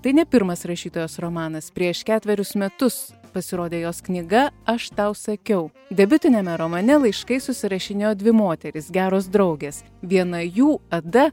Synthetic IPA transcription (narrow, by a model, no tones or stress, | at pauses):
t̪ɐɪnʲɛpʲɪɾmɐsɾɐʃʲiːt̪oːjoːsɾomɑːnɐspʲɾʲiɛʃkʲæːt̪ʲʋʲɛɾʲʊsmʲɛt̪ʊs | pɐsʲɪɾoːd̪ʲeːjoːsknʲɪɡɐɐʃt̪ɑʊsɐkʲɛʊ | d̪ʲɛbʲʊt̪ʲɪnʲɛmʲɛɾomɐnʲɛlˠɐɪʃkɐɪsʊsʲɪɾɐʃʲɪnʲeːjoːd̪ʲʋʲɪmoːt̪ʲɛɾʲɪsɡʲæːɾoːs̬d̪ɾɐʊɡʲeːs | ʋʲiɛnɐjuːɐd̪ɐ